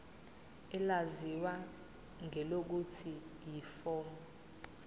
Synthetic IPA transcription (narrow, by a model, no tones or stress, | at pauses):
ɛlaziwa | ŋʱɛlok̬utʰijifɔːmɔ